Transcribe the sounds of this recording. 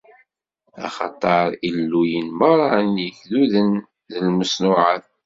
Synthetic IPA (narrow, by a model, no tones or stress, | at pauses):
ɑ̰χɑ̰t̪ˤɑɾˤilːujənməɾˤɑnjəçðuðən | ðəlməsnʊʕaθ